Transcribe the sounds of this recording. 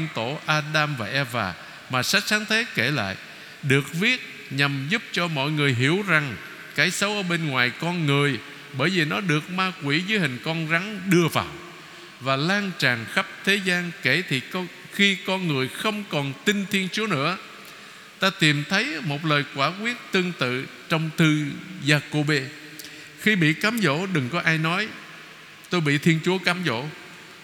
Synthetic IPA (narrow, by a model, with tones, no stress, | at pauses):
nt̪o˧˩ʔaː˧ɗaː˧mvaː˨˩ʔɛ˧va̰ː˨˩ | maː˨˩sa˦˥k̚saː˨˦nt̪ʰe˨˦ke˧˩la̰ː˧˨j | ɗɨ˨˩ək̚vi˦˥ət̚ | ɲa˨˩mzu˦˥p̚t͡ɕɔ˧mɔ̰˧˨jŋɨ˨˩əjɦi˧˩əwza˨˩ŋ | kaː˨˦jsə˨˦wʔəː˧˦ɓe˧nŋwaː˨˩jkɔ˧nŋɨ˨˩əj | ɓəː˧˩jvi˨˩nɔ˨˦ɗɨ˨˩ək̚maː˧kwi˧˩zɨː˨˦jhï˨˩ŋ̟kɔ˧nɣa˨˦ŋɗɨ˧əva̰ː˨˩w | vaː˨˩laː˧nt͡ɕaː˨˩ŋxa˦˥p̚t̪ʰe˨˦zaː˧nke˧˩t̪ʰi˨˩˧ | xi˧kɔ˧nŋɨ˨˩əjxə˧wŋ͡mkɔ˨˩nt̪ï˧nt̪ʰi˧ənt͡ɕu˨˦ənɨ̰˧˥ə | t̪aː˧t̪i˨˩mt̪ʰə˨˦jmo˨˩t̚ləː˨˩jkwaː˧˩kwi˦˥ət̚t̪ɨ˧əŋt̪ɨ̰˧˨t͡ɕɔ˧wŋ͡mt̪ʰɨ˧zaː˧ko˧ɓe˧ | xi˧ɓḭ˧˨kaː˨˦mzo̰˧˥ɗɨ˨˩ŋkɔ˨˦ʔaː˧jnɔ˨˦j | t̪o˧jɓḭ˧˨t̪ʰi˧ənt͡ɕu˨˦əkaː˨˦mzo̰˧˥˨